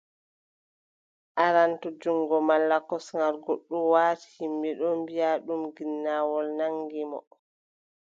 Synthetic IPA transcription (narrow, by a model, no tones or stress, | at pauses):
ʔaɾantud͡ʒuŋɡɔmalːakɔsŋɡaɾɡoɗːumwaːti̥himbɛɗɔmbijaɗumɡinːawɔlnaŋɡimɔ̰